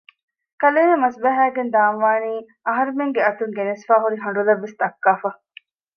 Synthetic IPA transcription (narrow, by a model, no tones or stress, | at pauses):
kɐleːnɐmɐsbɐɦæːɡend̪aːnʋaːniː | ɐɦɐɾumeŋɡeɐt̪uŋɡenesfaːɦuɾiɦɐɳ̆ɖuleʋːesd̪ɐkːaːfɐ